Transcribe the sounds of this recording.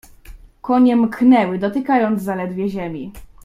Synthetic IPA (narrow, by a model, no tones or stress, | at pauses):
kɔɲɛmknɛwɘd̪ɔt̪ɘkajɔnd̪zzalɛd̪vʲjɛʑɛmʲi